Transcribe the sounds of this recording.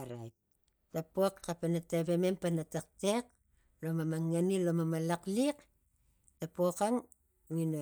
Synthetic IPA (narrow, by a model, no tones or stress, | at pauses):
ɾa̰jp̚ | tapokːapanateβeme̞mpanatak̚tek̚ | lomamaŋːanilomamalaklik | tapokaŋ | ŋino